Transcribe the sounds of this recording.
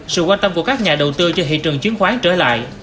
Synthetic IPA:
sɨ̰˧˨kwaː˧nt̪ə˧mku˧˩əkaː˦˥k̚ɲaː˨˩ɗə˨˩wt̪ɨ˧t͡ɕɔ˧ɦḭ˧˨t͡ɕɨ˨˩əŋt͡ɕwi˨˦ənxwaː˨˦ŋt͡ɕəː˧˩la̰ː˧˨j

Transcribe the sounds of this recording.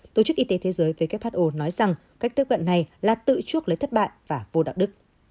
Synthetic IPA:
t̪o˨˧˩t͡ɕɨ˦˥k̚ʔi˨˦t̪e˨˦t̪ʰe˨˦zəː˨˦jvəː˨˦kɛ˦˥p̚haː˦˥t̚ʔo˧nɔ˨˦jza˨˩ŋ | ka˦˥k̟̚t̪i˦˥p̚və̰˧˨nːa˨˩jlaː˨˩t̪ɨ̰˧˨t͡ɕu˦˥ək̚lə˨˦jt̪ʰə˦˥t̚ɓa̰ː˧˨jvaː˨˩vo˨˧ɗa̰ː˧˨wɗɨ˦˥k̚

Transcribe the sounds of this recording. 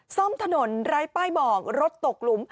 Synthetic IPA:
sɔ˥˩mt̪ʰa˧no˩˦nɾaː˦˥jpaː˥˩jbɔː˨˩k̚ɾo˦˥t̪ːo˨˩k̚lu˩˦m

